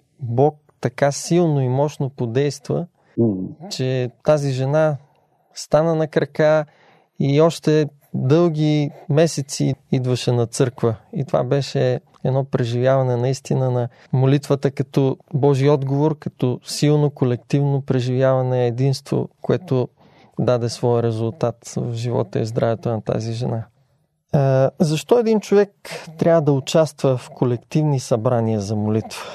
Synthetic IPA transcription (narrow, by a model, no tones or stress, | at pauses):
bɔk̚t̪ɐkasilˠnoimɔʃnopod̪ɛjst̪və̰ | t͡ʃɛt̪aziʒɛna | st̪anənɐkɾɐka | iɔʃt̪ɛ | d̪ɤlˠɡ̟ʲimɛsɛt̪siid̪vɐʃɛnɐt̪sɤɾkvəit̪ova̰bɛʃɛ | ɛd̪nɔpɾɛʒivʲjavɐnɛnɐist̪inənɐ | molit̪vət̪əkɐt̪ɔbɔʒiɔd̪ɡovoɾkɐt̪ɔsilˠnokolɛkt̪ivnopɾɛʒivjavɐnɛːd̪inst̪vo̰koɛt̪o | d̪ad̪ɛsvɔjəɾɛzʊlˠt̪at̪vvʒivɔ̰t̪əizd̪ɾavɛt̪onɐt̪a̰ziʒɛna | zɐʃt̪ɔɛd̪int͡ʃovɛkt̪ɾʲʔavəd̪ɐʊt͡ʃast̪vəfkʰolɛkt̪ivnisɐbɾaniəzɐmolit̪və